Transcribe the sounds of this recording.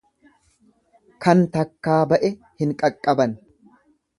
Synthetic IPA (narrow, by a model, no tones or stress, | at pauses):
kɐnt̪ɐkːaːbɐʔɛ | hɪŋkʼɐkʼːɐbɐn